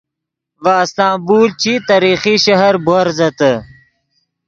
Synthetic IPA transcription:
vaːst̪ãːbuːlt͡ɕit̪aɾiːxiʃɐɦɐɾboɾzɐt̪ə

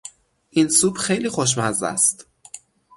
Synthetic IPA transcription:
ʔinsuːbxejliːxoʃ̬mæzæ̰st̪

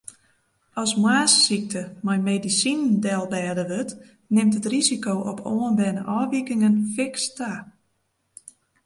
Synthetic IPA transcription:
ɔsmwaːsːik̚tʰəmɔjmeːdisinndɛlˠbɛːdəʋøt | nɪmtətrizikowʔɔpʰoːənbɛnəʔɔːʋikɪŋənfɪksta

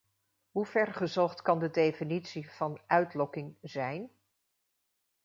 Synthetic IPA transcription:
ɦuv̥ɛɹχəzɔχtkɑndədejfinitsiv̥ɑnʔœɥtlɔkɪŋzɛjn

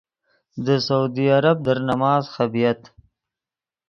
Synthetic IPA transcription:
d̪əsaud̪iaɾab̚d̪əɾnamɑːzxabijat̪

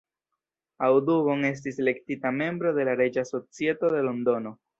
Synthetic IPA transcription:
awduβo̞ŋe̞s̬tiselektitame̞mbɾo̞de̞laɾe̞d͡ʒaso̞t͡sie̞to̞de̞lo̞ndo̞no̞

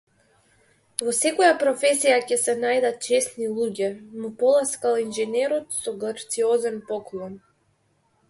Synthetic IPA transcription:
vɔsɛkɔjapɾɔfɛsijacɛsɛnajd̪at̪̚t͡ʃɛsnilˠuɟɛmupɔlˠaskalˠinʒɛnɛɾɔt̪sɔɡaɾt̪siɔzɛnpɔklˠɔn

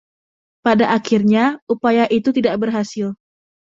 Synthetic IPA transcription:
padaʔːkirɲaupajaʔit̪ut̪idaʔ̚bərɦasɪl

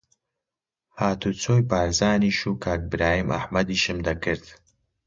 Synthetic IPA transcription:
haːt̪ʰut͡sʰoːjpaːɾzaːniʃuːkʰaːk̚bɾaːhimʔɐ̰hmɐd̪iʃɨmd̪ɐkɨɾd̪̥

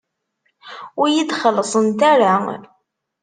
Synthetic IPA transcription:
ʊɾjid̪χəlːəsˤənt̪aɾa

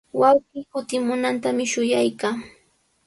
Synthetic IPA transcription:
wawɢiːkʊt̪ɪmʊnant̪amɪʃʊjajkaː

